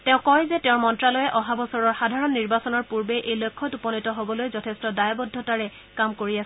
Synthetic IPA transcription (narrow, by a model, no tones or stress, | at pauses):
tɛ̃ʊ̃kɔjzɛtɛʊ̃ɹmɔntɹalɔjɛʔɔɦabɔsɔɹɔɹxadʱaɹɔnːiɹbasɔnɔɹpuɹbɛʔejlojkʰːɔtupɔnitɔɦobɔlojzɔtʰestɔdajbɔdʱːɔtaɹɛ | kamkoɹias